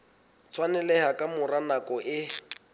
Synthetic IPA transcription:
t͡sʰwanɛlɛhakʼamʊranakʼɔʔɪ

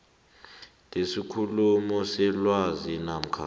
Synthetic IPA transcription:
tʼesikʰulumɔsɛlwazinam̩kʰa̰

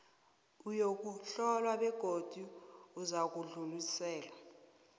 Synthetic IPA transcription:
ujok̬ʼuɬɔlwaɓɛɡ̥ʱod̥ʱiuzak̬uɮulisɛːla

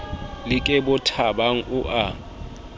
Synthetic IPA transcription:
lɪkʼɛbʊtʰabaŋ̩ʊʔa

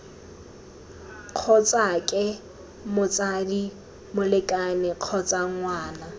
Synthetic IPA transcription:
q͡χʰɔt͡sʼakʼɪ | mʊt͡sʼadi | mʊlɪkʼanɪq͡χʰɔt͡sʼaŋ̩ŋwaːna

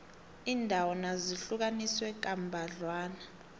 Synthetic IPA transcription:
iːndʱawɔnaziɬuk̬aniswɛk̬ʼambʱaɮwaːna

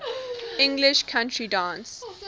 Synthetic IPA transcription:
ɪ̃ŋɡlɪʃkʰãntʰɹidãːns

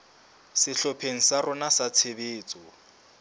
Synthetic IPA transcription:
sɪɬɔpʰeŋ̩sarʊnasat͡sʰebeːt͡sʼɔ

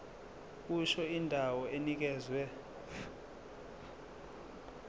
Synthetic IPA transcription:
k̬uʃɔindʱawɔenik̬ɛːzwɛ

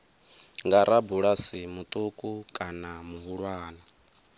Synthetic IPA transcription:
ŋɡaɾʔabuɺasimut̪ʼukʼukʼanamuɦuɺwaːna

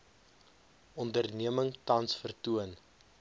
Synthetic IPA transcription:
ɔndərniəməŋtɐnsfərtuən

